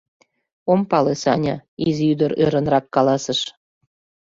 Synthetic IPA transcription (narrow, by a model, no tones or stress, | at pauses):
ompɑlesɑnʲɑizyd̪əɾøɾə̆nrɑkkɑlɑsə̆ʃ